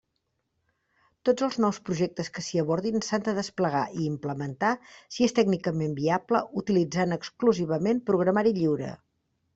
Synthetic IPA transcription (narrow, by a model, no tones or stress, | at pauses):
t̪od͡zəlˠznɔwspɾuʒɛk̚t̪əskəsiəβɔɾðinsand̪əðəspləɣ̞aʔiːmpləmənt̪asiest̪ɛɡnikəmembiapləut̪ilid͡zanəkskluziβəmempɾuɣ̞ɾəmaɾiʎiwɾə̰